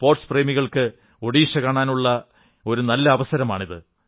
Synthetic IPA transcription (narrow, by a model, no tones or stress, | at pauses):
po̞ːrʈspre̞ːmiɣɐɭkɨ | o̞ɽiːʂɐkaːɳaːnuɭːɐ | o̞ɾunɐlːɐːʋɐsɐɾɐmaːɳiðɨ